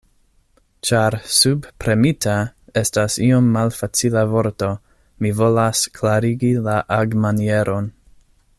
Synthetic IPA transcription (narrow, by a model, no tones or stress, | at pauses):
t͡ʃaɾsubpɾemitʰae̞stasiomːalfat͡silavo̞ɾto̞ | mivo̞lasklaɾiɡilaʔaɡmanieɾon